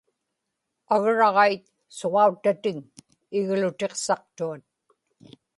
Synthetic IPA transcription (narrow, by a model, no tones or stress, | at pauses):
aɣɻɑʁɑjt̪ | soʁɑut̪ːat̪ɪŋ | ɪɣlʊt̪e̞qsɑq̚t̪uat̪̚